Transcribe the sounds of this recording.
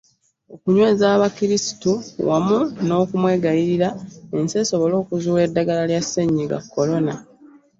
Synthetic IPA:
o̞kuɲwe̞ːzaːβakiɾisi̥tuwamuno̞ːkumwe̞ːɡajiɾiɾae̞nse̞so̞βo̞lo̞ːkuzuːwe̞dːaɡalaljasːeɲːiɡa̰kːo̞lo̞na

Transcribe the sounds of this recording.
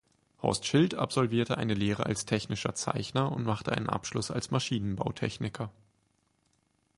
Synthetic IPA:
hɔ̰ɐstʃɪlta̰pz̥ɔlviːɐtəʔaɪnəleːʁ̞əʔalstʰɛçnɪʃɐ̰t͡sa̰ɪçnɐʊntmaχtəʔaɪnə̰nʔa̰pʃlʊsa̰lsmaʃiːnənbaʊtʰɛ̰çnɪkʰɐ

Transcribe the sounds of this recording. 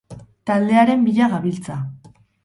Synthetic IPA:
t̪ald̪e̞aɾe̞mbiʎaɣaβilt͡sa

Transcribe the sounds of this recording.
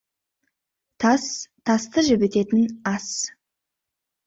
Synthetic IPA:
t̪ʰɑst̪ʰɑst̪əʒɪbet̪e̞t̪ɪnɑs

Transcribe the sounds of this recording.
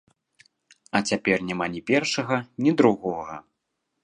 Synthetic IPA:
ɐt͡sʲapʲɛrnʲamanʲɛpʲɛrʂɐɣɐnʲid̪ɾuɣɔɣɐ̰

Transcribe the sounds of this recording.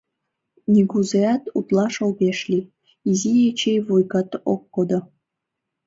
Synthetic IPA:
nʲiɡuzeɑt̪ut̪lˠɑʃolˠbeʃlʲi | izijet͡ɕejvojɡɑt̪okːod̪o

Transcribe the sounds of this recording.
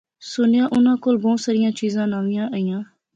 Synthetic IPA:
sʊnjaːʔʊnãːkoːlbɔːsəɾɪjãːt͡ʃiːzãːnaːʋĩjãːʔəijãː

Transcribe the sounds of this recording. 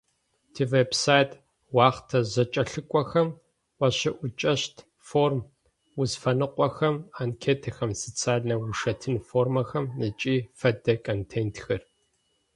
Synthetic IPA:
tʰiveːbsaːjtʰʼ | wɑːχtʰɐzɐt͡ʃʼɐɬɨkʷʼɔxɐm | wɐɕɪʔʷʊt͡ʃʼɐɕtʰ | foːrm | wʊzfɐnɨqʷʼɔxɐmankʰeːtʰɐxɐmsɨt͡sʰaːɮnɐwʊʂɐtʰɨnfoːrmɐxɐmnɨt͡ʃʼiːfɐdɐkʰʼoːntʰeːntʰxɐr

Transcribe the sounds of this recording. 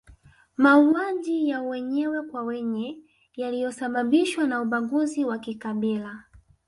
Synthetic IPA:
mauwad͡ʒijawɛɲɛwɛkwawɛɲɛ | jalijɔsaɓaɓiʃwanauɓaŋɡuziwakikaɓila

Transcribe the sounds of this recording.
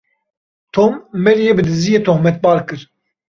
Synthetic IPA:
t̪ʰoːmːɛɾjeːbɨd̪ɨzijeːt̪ʰohmɛt̪̚bɑːɾkɨɾ

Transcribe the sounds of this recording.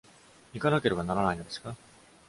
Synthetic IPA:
mʲikanake̞ɾɯ̟ɡanaɾanaino̞d̪e̞sɨ̥ka

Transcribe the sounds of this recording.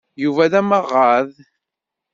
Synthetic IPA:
juvæðæməʁːað

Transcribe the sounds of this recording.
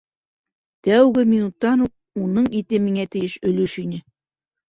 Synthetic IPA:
t̪æwɡɘminut̪ːɑnuq̚unɤɴit̪ɘmiŋæt̪ɘ̆jɘʃɵ̆lɵʃinɘ

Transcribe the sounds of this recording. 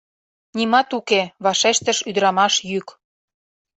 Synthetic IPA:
nimɑt̪ukeβɑʃeʃt̪əʃyd̪əɾɑmɑʃjyk

